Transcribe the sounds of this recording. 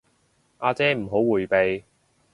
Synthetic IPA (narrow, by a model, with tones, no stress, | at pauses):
ʔaː˧t͡sɛː˨˥m̩˨˩ɦo˨˥wwuː˨˩jpe˨j